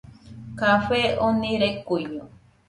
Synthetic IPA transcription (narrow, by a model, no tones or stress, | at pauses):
kafeonĩɾekuijo